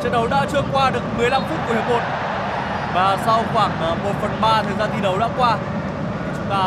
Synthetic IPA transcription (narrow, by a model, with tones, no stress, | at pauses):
t͡ɕe˧nɗə˨˦wɗa̰ː˧˥t͡ɕɨ˧əŋkwaː˧ɗɨ˨˩ək̚mɨ˨˩əjla˧mfu˦˥t̚ku˧˩hə˨˩mo˨˩t̚ | vaː˨˩sa˧wxwaː˧˩ŋ˨˩ŋmo˨˩t̚fə˨˩nɓaː˧t̪ʰəː˨˩jzaː˧nt̪i˨˩nɗə˨˦wɗa̰ː˧˥kwaː˧ | ɓaː˨˩